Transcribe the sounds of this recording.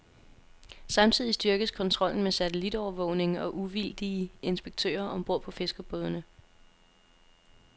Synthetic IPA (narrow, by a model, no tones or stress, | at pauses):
sɑ̈mt͡sʰið̞̰ˠisd̥ɶɐɡ̥əskʰɒ̽nt͡sʰʁɒ̽l̰n̩mesæt͡sʰelid̥ɒʊɐʋɔ̰ʊ̰ne̝ŋɒ̽ʔuʋild̥ie̝nsb̥eɡ̥̚t͡sʰø̰ːɐʔɒ̽mb̥o̝ɐ̰pʰɒ̽fe̝sɡ̥ɒb̥ɔ̽ðˠnə